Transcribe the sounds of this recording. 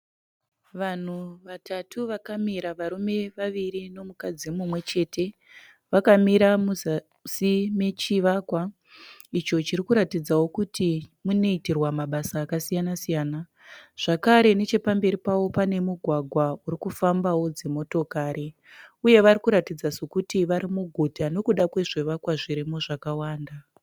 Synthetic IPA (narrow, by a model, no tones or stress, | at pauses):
ʋan̤uʋatʰatʰuʋakamiɾaʋaɾume̞ʋaʋiɾino̞mukad͡zimumwe̞t͡ʃe̞tʰe̞ | ʋakamiɾamuza | sime̞t͡ʃiʋakwa | it͡ʃo̞t͡ʃirikuɾatid͡zawo̞kutimune̞itirwamaɓasaːkasijanasijaːna | ʐ̥akaɾe̞ne̞t͡ʃe̞pambe̞ɾipawo̞pane̞muɡʱwaɡʱwauɾikufambawo̞d͡ze̞mo̞to̞kaːɾi | uje̞ʋarikuɾatid͡zaso̞kutiʋaɾimuɡʱutano̞kuɗakwe̞ʐeʋakwaʐiɾimo̞ʐakawaːnda